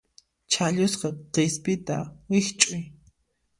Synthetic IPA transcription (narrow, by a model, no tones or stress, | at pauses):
t͡ʃʰaʎʊsqɑqespɪt̪awɪχt͡ʃʼʊj